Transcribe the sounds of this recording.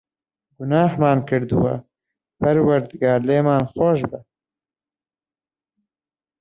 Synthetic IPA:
ɡʊnaːhmaːnkɨɾd̪ɨ̰wa̰ | pʰɐɾwɐɾd̪ɨɡaːɾleːmaːnxoʃbɨ

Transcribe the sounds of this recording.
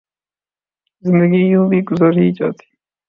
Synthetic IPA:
zɪnd̪əɡijũːbiɡʊzəɾiːt͡ʃa̰ːt̪ʰi̥ː

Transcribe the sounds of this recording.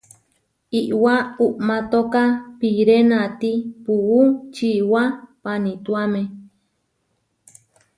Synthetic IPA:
iʔwauʔmat̪okapiɾenat̪ipuut͡ʃiwapanit̪uamẽ

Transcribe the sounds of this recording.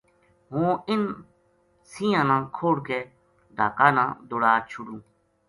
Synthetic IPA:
ɦõːɪn | sĩːãːnãːkʰoːɽkeː | ɖ̪ʱaːkaːnã̰ːd̪oːɽaːt͡ʃʰʊɽũː

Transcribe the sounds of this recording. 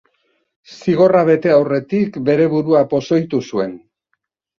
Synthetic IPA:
siɣ̞o̞raβe̞t̪e̞awre̞t̪ikbe̞ɾe̞βuɾuapo̞so̞jt̪usue̞n

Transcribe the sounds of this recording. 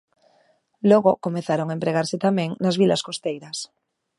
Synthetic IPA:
loɣokomeθaɾoŋaempɾeɣaɾsɪt̪amɛ̃ŋnazβilaskost̪ejɾas

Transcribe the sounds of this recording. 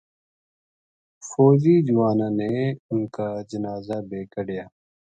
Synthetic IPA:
foːziːd͡ʒʊʋaːnãːneːʊnkaːd͡ʒənaːzaːbeːkəɽjaː

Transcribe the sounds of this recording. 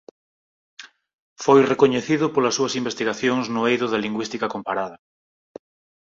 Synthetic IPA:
fojrekoɲeθiðʊpolɐsːuɐsimbest̪iɣaθjoŋznʊejðʊðɐliŋɡwist̪ikɐkompaɾað̞ɐ

